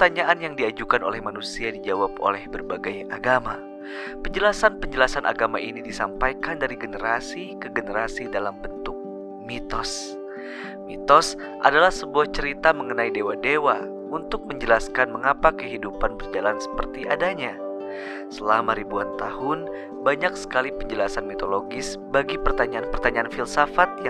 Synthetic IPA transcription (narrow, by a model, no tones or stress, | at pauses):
pərt̪aɲaʔanjaŋdiad͡ʒukano̰lɛhmanusiadid͡ʒawapo̰lɛhbərbaɡajaɡama | pəɲd͡ʒəlasanpəɲd͡ʒəlasanʔa̰ɡama̰ʔinidisampajkandaɾiɡənəɾasikəɡənəɾasidalambənt̪ʊk̚ | mit̪ɔs | mit̪ɔs | ʔa̰dalahsəbuaht͡ʃəɾit̪aməŋənaidewadewa | unt̪ʊk̚məɲd͡ʒəlaskanməŋapakəɦidupanbərd͡ʒalansə̥pərt̪iʔadaɲa | səlamaɾibuant̪aɦʊn | baɲaksə̥kalipəɲd͡ʒəlasanmit̪oloɡɪs | baɡipərt̪aɲanpərt̪aɲaːnfilsafat̪̚j